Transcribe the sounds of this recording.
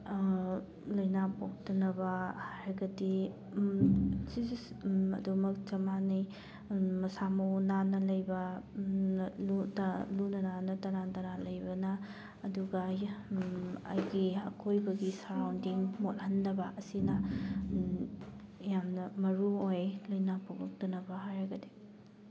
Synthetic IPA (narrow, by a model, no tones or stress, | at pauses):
lojnapok̚tɐnɐbɐhajɾɐɡɐdi | si | ɐ̰dumɐk̚t͡ʃɐmanij | mɐsamɐwnanɐlɐjbɐ | lutlunɐnanɐtɐɾantɐɾalɐjbɐnɐː | duɡɐ | ɐ̰jɡiɐkʰojbɐɡisaɾawndiŋmothɐnːɐbɐʔɐsinɐ | jamnɐmɐɾuojlɐjnapʰoɡɐk̚dɐnɐbɐɦajɾɐɡɐdi